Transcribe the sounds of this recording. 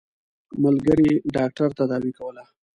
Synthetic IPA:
məlɡəɾiɖɑk̚ʈaɾt̪ad̪ɑwikawəla

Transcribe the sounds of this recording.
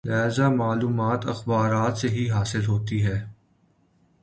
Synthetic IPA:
laːzamaːluːmaːt̪ɐ̰xbaːɾaːt̪seɦiɦaːsɪlɦoːt̪iɦɛː

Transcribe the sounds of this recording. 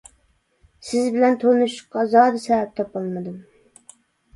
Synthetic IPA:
sɪzbɪlɛnt̪ʰolˠnɨʃʊ̥qːɑzɑːd̪ɨsɛvɛp̚t̪ʰɑpɑlˠmɨd̪ɨm

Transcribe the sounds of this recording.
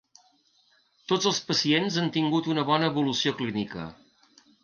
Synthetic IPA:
t̪od͡zəlˠspəsienzant̪iŋɡut̪unəβɔnəːβulusioklinikə̰

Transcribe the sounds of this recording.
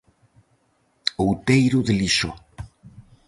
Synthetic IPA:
owt̪ejɾʊðeliso

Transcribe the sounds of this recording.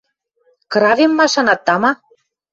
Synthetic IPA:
kɾɑvemːɑʃɑnɑt̪ːɑmɑ

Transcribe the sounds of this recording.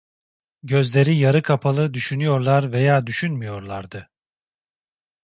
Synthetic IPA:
ɟø̞zlʲe̞ɾijaɾɯkʰapʰalˠɯd̪yʃynyjo̞ɾlˠaɾve̞jaːd̪yʃynmyjo̞ɾlˠaɾd̪ɯ

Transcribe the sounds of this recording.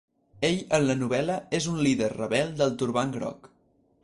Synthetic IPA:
eʎənlənuβɛləezunliðərrəβɛlˠd̪əlˠt̪uɾβaŋɡɾɔ̰k

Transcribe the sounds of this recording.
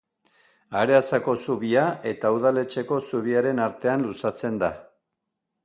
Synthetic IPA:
aɾe̞asako̞suβiae̞t̪auð̞ale̞t͡ʃe̞ko̞suβ̞iaɾe̞naɾt̪e̞anlusat͡se̞nd̪a

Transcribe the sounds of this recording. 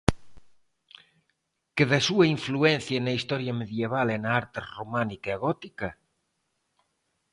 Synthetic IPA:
keðasuaiɱfluen̟θjanaist̪ɔɾjameðjeβ̞alenaaɾt̪eromanikeaɣɔt̪ika

